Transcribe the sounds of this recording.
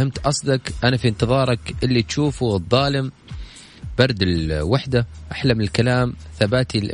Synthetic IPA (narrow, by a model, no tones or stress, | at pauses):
hɪmt̪ʔɑsˤd̪ɑkʔanafiɪnt̪ɨðˤɑːɾˤɑkʔɪlːit̪ʃuːfuɨðˤːɑːlɪm | b̥ɑɾˤd̪ɪlwaħd̪aʔaħlamɪlkalaːmθabaːt̪ilʔ